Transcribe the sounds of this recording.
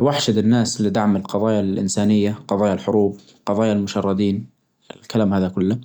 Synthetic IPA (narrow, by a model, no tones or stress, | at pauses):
waħʃɪd̪ɪnːaːslɪd̪aʕmɪlqɑðˤɑːjalʔɪ̰nsaːnɪjːaqɑðˤɑːjalħʊɾuːb | qɑðˤɑːjalmʊʃɑrˤːɑd̪iːn | ɪlkalaːmhaːðakʊlːa